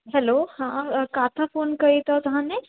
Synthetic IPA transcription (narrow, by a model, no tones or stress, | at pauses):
ɦɛloːhãkaːt̪ʰafoːnkɐit̪ɔt̪ʊɦãne